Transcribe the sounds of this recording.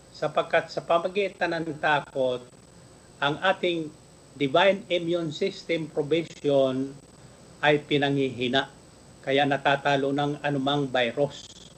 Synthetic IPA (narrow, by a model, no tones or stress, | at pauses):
sɐpɐɡ̚kːat̪̚sɐpɐmɐɡiːt̪ɐnɐŋt̪aːko̞t̪̚ | ʔɐŋʔaːt̪ɪŋ | d̪ɪvajnɛmjonsɪst̪ɛmpɾobɪʃon | ʔɐjpɪnɐŋhiɦinaʔ | kɐjaʔnɐt̪aːt̪aːlonɐŋɐnʊmaŋbajɾos